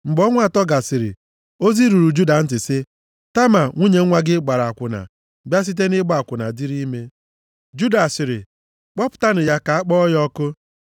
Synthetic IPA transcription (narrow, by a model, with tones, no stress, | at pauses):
ŋ͡m̩˨ɡ͡bɔ˦ŋʷa˦˨tɔ˦ɡa˨sɪ˨ɾɪ̰˨ | o˦zi˦ɾu˨ɾu˨d͡ʒu˦da˨n̩˦tɪ˨sɪ˦ | ta˦ma˨ŋʷu˦ɲe˨ŋ̩˦ŋʷa˦ɡɪ˦ɡ͡ba˨ɾa˨a˨kʷʊ˨na̰˨ | bja˦s̬i˦t̬e˦nɪ˦ɡ͡ba˦a˨kʷʊ˨na˨di˦ɾi˦me˦ | d͡ʒu˦da˨sɪ˨ɾɪ̰˨ | k͡pɔ˦pʊ̥˨ta˦nʊ˨ja˦ka˨a˦k͡pɔ˦jɔ˦kʊ˦